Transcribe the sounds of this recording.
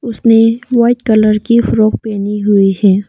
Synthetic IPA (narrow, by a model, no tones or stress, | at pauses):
ʊsneʋaːɪʈkɐləɾkifʊɾoːk̚pɛːniɦʊiɦɛː